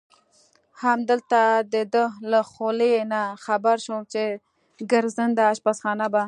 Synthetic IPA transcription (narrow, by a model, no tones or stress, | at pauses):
hamd̪əlt̪ad̪əd̪əlaxolenaxabaɾʃumt͡ʃe | ɡaɾzənd̪aːʃpasxɑnaba